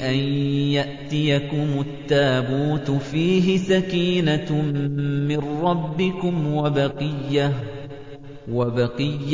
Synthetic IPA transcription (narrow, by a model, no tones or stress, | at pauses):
ʔanjaʔt̪ɪjakʊmʊat̪ːaːbuːt̪fiːɦɪsakiːna | mɪnɾɑbːɪkʊmwabɑqɨjːa | wabɑqɨjː